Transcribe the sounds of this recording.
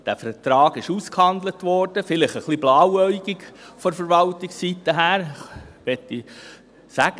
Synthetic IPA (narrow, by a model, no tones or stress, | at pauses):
d̥æfətɾɑːɡ̥ɪʃuskhɑnd̪lətʋɔɾd̥əfɪlɪχəχlib̥lɑːwœʏɡɪɡfɔfəɾʋɑltɪksːitəɦæːɾʋɛtːi | sæɡ̥ə